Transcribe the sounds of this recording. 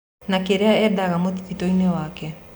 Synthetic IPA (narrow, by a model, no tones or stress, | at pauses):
nakeɾeaɛdaɣamotititoinewaːkɛ